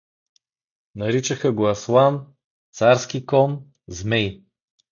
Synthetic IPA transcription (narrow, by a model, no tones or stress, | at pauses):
nɐɾit͡ʃɐxɐɡoɐslˠan | t̪saɾsk̟ikɔn | zmɛj